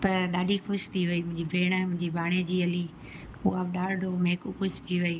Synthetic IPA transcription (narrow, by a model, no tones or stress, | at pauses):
t̪ɐɗaːɖʱixʊʃt̪ʰiʋɐiːmʊ̃ɦɪ̃ɲd͡ʑiːbʱeːɽ̃əmʊ̃ɦɪ̃ɲd͡ʑiːbʱaːɽ̃ed͡ʑiːɐliː | ṵaːbɗaːɽɖʱoːmeːkuxʊʃt̪ʰiʋɐiː